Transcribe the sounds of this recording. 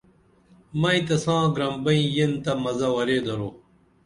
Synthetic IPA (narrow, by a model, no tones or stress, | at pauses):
mɐ̃ĩt̪ɐsãːɡɾɐmbɐĩjent̪ɐmɐzɐwɐɾeːd̪ɐɾoː